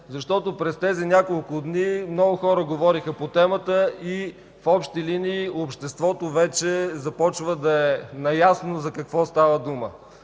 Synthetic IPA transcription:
zɐʃt̪ɔt̪opɾɛst̪ɛzinʲakolˠkʊd̪nimnɔɡʊxɔɾəɡovɔɾixəpot̪ɛmət̪əi | fɔpʃt̪iliniːopʃt̪ɛst̪vɔt̪ovɛt͡ʃɛzɐpɔt͡ʃvəd̪ɐɛnɐjasnozɐkɐkvɔst̪avəd̪umə

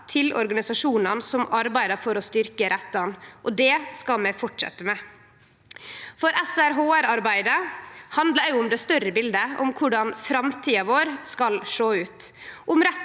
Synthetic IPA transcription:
t̪ʰɪlɔ̰ɾɡɑnɪsɑʂuːnɑnsɔmɑɾbæɪd̪əɾfɔɾɔst̪ʏɾkəɾʔɛt̪ːɑnʔɔd̪ɛːskɑlmɛfɔʈʂɛ̰t̪ːəmɛ | fɔɾɛsæɾɦoːæɾɑɾbæɪd̪əhɑnd̪ləɾjʊʊmd̪ɛːst̪œɾəbɪld̪əʊ̰mkʰʊɖɑnfɾɑmt̪ʰiːɑʋoːɾskɑlʂoːʉːt̪ | ʔʊmɾɛ

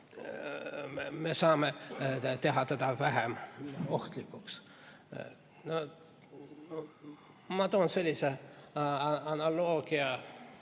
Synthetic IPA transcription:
mesɑːmet̪eɦɑt̪æt̪ɑʋæɦæmoht̪likːuks | no | mɑt̪oonselʲːise | ɑnɑloːɡ̥iɑ

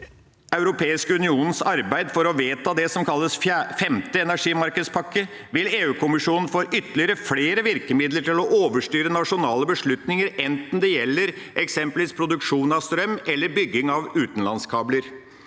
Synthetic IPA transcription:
ɑʉɾʊpʰeːɪskəʉnɪuːnn̩sɑɾbæɪd̪fɔɾɔʋeːt̪ʰɑːd̪ɛsɔmkʰɑlːəsfɛmt̪əɛnæʂiːmɑɾkəd̪spʰɑkːə | ʋɪleːʉːkʰʊmɪʂuːnn̩foːʔʏt̪ːəlɪəɾəfleːɾəʋɪɾkəmɪd̪ləʈɪlɔʔoːʋəʂʈyːɾənɑʂʊnɑːləbəʂɭʉt̪nɪŋəɾɛnt̪n̩d̪ɛjɛlːəɾ | ʔɛksɛmpəlʋiːspʰɾʊd̪ʉkʂuːnɑʋst̪ɾœmɛlːəɾbʏɡːɪŋɑʋʉːt̪n̩lɑnskʰɑːbləɾ

